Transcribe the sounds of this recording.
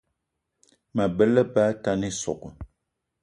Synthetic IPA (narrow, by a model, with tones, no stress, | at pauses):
mə˨bə˦lə˦ba˦ta˦ni˦sɔ̰˨kə˨